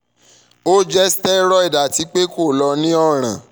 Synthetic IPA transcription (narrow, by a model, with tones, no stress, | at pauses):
o˦d͡ʒɛ˦stɛ˦ɾɔ˦i˦˨da˨ti˨˦k͡pe˦ko˦˨lɔ˧nĩ˦ɔ˦˨ɾ̃ã̰˨